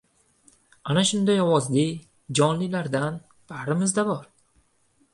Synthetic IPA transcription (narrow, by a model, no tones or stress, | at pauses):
anaʃʊnd̪ajɒwɒzlɪ | d͡ʒɒnlɪlaɾd̪an | b̥ahɾɪmɪzd̪abɒɾ